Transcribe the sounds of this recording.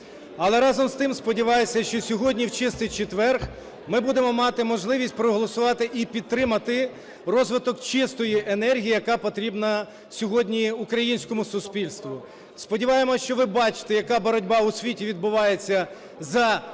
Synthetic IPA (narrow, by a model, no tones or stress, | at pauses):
ɐlˠɛɾɑzɔmst̪ɪmspɔdʲiʋɑjesʲɐʃt͡ʃɔsʲɔɦɔdʲnʲiwt͡ʃɪst̪ɪjt͡ʃet̪ʋɛrx | mɪbud̪emɔmɑt̪ɪmɔʒlˠɪʋʲisʲt̚ʲpɾɔɦɔlˠɔsʊʋɑt̪ɪʔipʲid̪̚ɾɪmɐt̪ɪ | rɔzʋɪt̪ɔkt͡ʃɪst̪ɔjiʔenɛrɦʲijijɐkɑpɔt̪ɾʲibnɐ | sʲɔɦɔdʲnʲiʊkɾɐjinʲsʲkɔmʊsʊspʲilʲst̪ʋʊ | spɔdʲiʋɑjemɔʃt͡ʃɔʋɪbɑt͡ʃɪ̥t̪ɛjɐkɑbɔɾɔdʲbɑʊsʲʋʲitʲiʋʲid̪̚bʊʋɑjet͡sʲːɐ | zɐ